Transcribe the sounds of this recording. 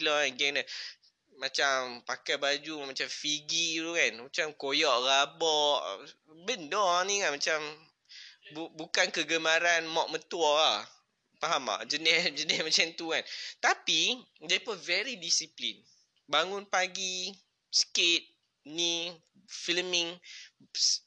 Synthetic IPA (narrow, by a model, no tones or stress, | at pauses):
lɔɡɛŋnə | mat͡ʃampakajbad͡ʒumat͡ʃamfiɡit̪ukanmat͡ʃamkojɔʔrabɔʔ | bəndɔaniŋanmat͡ʃam | bubukankəɡəmaɾanmɔʔ̚mət̪uɔa | paɦama̰ʔd͡ʒənɛsd͡ʒənɛsmat͡ʃamt̪ukant̪api | dapəvɛɾidisiplin | baŋʊnpaɡi | sket̪̚ | ni | filmiŋ